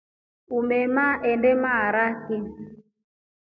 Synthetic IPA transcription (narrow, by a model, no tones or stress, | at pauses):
umɛmaʔɛndɛmaɾaki